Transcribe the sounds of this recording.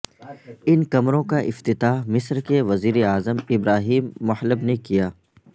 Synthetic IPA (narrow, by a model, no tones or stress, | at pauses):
ɪnkɐmɾõkaʔɪ̰ft̪ɪt̪aːɦmɪsɾkeʋɐziːɾeaːzəmɪbɾaːɦiːmːʊhləbnekijaː